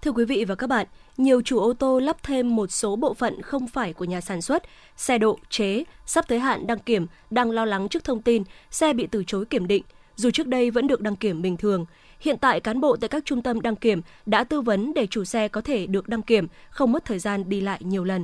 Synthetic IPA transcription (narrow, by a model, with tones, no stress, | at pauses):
t̪ʰɨ˧əkwi˨˦vḭ˧˨vaː˨˩kaː˦˥k̚ɓa̰ː˧˨nɲi˨˩əwt͡ɕu˧˩ʔo˧t̪o˧laː˦˥p̚t̪ʰe˧mːo˨˩t̚so˨˦ɓo̰˧˨fə̰˧˨nxə˧wŋ͡mfaː˧˩jku˧˩əɲaː˨˩saː˧˩nswə˦˥t̚ | sɛ˧ɗo̰˧˨t͡ɕe˨˦saː˦˥p̚t̪ʰəː˨˦jɦa̰ː˧˨nɗa˧ŋki˧˩əm | ɗaː˧ŋlɔ˧wla˨˦ŋt͡ɕɨ˦˥ək̚t̪ʰə˧wŋ͡mt̪i˧nsɛ˧ɓḭ˧˨t̪ɨ˧˩t͡ɕo˨˦jki˧˩əmɗḭ̈˧˨ŋ̟ | zu˨˩t͡ɕɨ˦˥k̚ɗə˧jvə̰˧˥nɗɨ˨˩ək̚ɗa˧ŋki˧˩əmɓï˨˩ŋ̟t̪ʰɨ˨˩əŋ | hḭ˧˨ənt̪a̰ː˧˨jkaː˨˦nɓo̰˧˨t̪a̰ː˧˨kaː˦˥k̚t͡ɕʊ˧ŋ͡mt̪ə˧mɗa˧ŋki˧˩əm | ɗa̰ː˧˥t̪ɨ˧və˨˦nɗe˧˩t͡ɕu˧˩sɛ˧kɔ˨˦t̪ʰe˧˩ɗɨ˨˩ək̚ɗa˧ŋki˧˩əmxə˧wŋ͡mmə˦˥t̚t̪ʰəː˨˩jzaː˧nɗi˧la̰ː˧˨jɲi˨˩əwlə˨˩n